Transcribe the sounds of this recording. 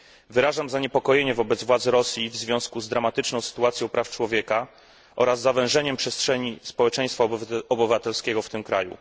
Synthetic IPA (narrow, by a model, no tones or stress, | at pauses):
vɘɾaʐamzaɲɛpɔkɔjeɲɛvɔbɛd̪zvwad̪zɾɔsʲjivzvʲjɔ̃w̃skuzd̪ɾamat̪ɘt͡ʂnɔ̃w̃sɘ̥t̪uat̪sʲjɔ̃w̃pɾʔaft͡ʂwɔvʲjɛka | ʔɔɾazːavɛ̃w̃ʐɛɲɛmpʂɛstʂɛɲispɔwɛt͡ʂɛ̃j̃st̪faɔbɘvat̪ɛlskʲɛɡɔft̪ɘmkɾa̰jṵ